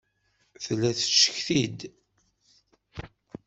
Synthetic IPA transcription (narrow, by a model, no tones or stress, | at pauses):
θlːæθə̥ʃːə̥çθid̪